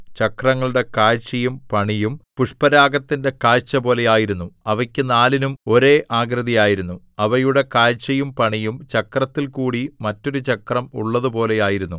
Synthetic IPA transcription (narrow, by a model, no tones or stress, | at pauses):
t͡ɕɐkrɐŋːɐɭuɽe̞kaːɻt͡ɕːɐjumpɐɳijumpuʂpɐɾaːɡɐt̪ːinde̞kaːɻt͡ɕːɐpo̞ːle̞jaːjiɾunːuɐʋɐkʲːɨnaːlinumo̞ɾe̞ːʔaːɡɾɐðijaːjiɾunːu | ɐʋɐjuɽe̞kaːɻt͡ɕːɐjumpɐɳijumt͡ɕɐkrɐt̪ːilkuːɽimɐtːo̞ɾut͡ɕɐkrɐmṵɭːɐðupo̞ːle̞jaːjiɾunːu